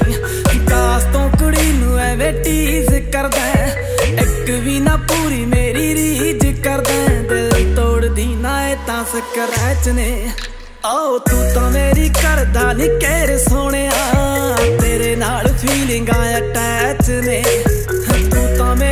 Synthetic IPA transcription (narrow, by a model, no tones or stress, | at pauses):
ɡaːst̪õːkəɽiːnũːɛːʋeːʈiːzkəɾd̪ɛ̃ː | ɪkʋiːnãːpuːɾiːmeːɾiːɾiːd͡ʒkəɾd̪ɛ̃ːd̪eːt̪oːɽd̪iːnãːeːt̪ãːsəkəɾɛːt͡ʃneː | aot̪ũːt̪ãːmeːɾiːkəɾd̪aːnĩːkeːɾsoːɽ̃eːaːt̪eːɾeːnaːlpʰiːlɪ̃ŋɡãːãːʈɛːt͡ʃneː | t̪uːt̪ãːme